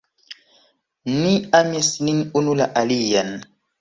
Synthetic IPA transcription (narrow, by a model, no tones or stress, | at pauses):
niamesninunulaʔalijan